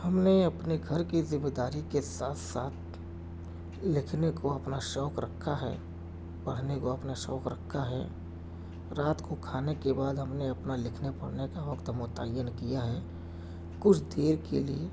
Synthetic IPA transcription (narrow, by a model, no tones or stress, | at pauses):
hɐmneɐpneɡʱɐɾkizɪmed̪aːɾikesaːt̪ʰsaːt̪ʰ | lɪkʰnekoɐpnaʃɔːkɾəkʰːaɦɛ̰ | pəɽ̤nekoɐpnaʃɔːkɾəkʰːaɦɛ̰ | ɾaːt̪kokʰaːnekebaːd̪ɦɐmneɐpnalɪkʰnepɐɽ̤nekaʋɐkt̪mʊt̪aːjənkijaɦɛː | kʊt͡ʃʰd̪eːɾkḛlie